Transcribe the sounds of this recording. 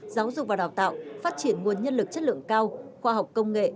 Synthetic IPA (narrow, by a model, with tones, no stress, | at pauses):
zaː˨˦wzʊ˨˩k͡p̚vaː˨˩ɗaː˨˩wt̪a̰ː˧˨wfaː˦˥t̚t͡ɕi˧˩ənŋu˨˩ənɲə˧nlɨ˨˩k̚t͡ɕə˦˥t̚lɨ̰˧˨əŋkaː˧wxwaː˧ɦa˨˩wk͡p̚kə˧wŋ͡mŋḛ˧˨